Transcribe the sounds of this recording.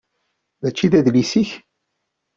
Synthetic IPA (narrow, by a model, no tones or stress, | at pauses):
ðæt͡ʃːiðæðlisiç